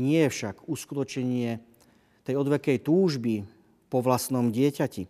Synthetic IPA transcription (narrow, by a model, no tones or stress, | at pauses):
ɲɪɛjɛfʃaɡuskut̪ɔt͡ʃɲɛɲɪɛ | t̪ɛjɔd̪ʋɛkɛjt̪uːʒbi | pɔʋlast̪nɔmɟɪɛcaci